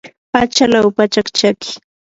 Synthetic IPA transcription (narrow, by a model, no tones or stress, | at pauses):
pat͡ʃalawpat͡ʃakt͡ʃakɪ̥